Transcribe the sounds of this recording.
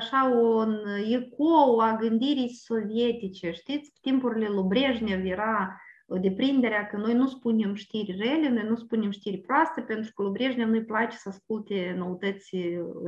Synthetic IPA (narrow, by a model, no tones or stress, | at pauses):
aʃaonjekoaɡɨnʲd̪ʲiɾʲisovʲet̪ʲit͡ʃeʂt̪ʲit̪t͡sʲpt̪ʲimpurlʲelˠobɾʲeʐnʲevjeɾad̪ʲeprʲind̪eɾʲakənojnuspunʲemʂt̪ʲiɾʲrelʲenojnuspunʲemʂt̪ʲiɾʲpɾoast̪əpʲent̪ɾu̥kolˠobɾʲeʐnʲevnojplˠat͡ʃe̥sask̚ulˠt̪ʲenowt̪ət͡s̪ʲi